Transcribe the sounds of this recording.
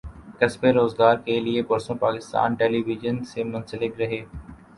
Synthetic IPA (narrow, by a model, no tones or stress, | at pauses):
kɐsbeɾoːzɡaːɾkeliepɐɾsõpaːkɪst̪a̰ːnʈeːliːʋɪd͡ʒənsemʊ̃nsəlɪkɾɐɦeː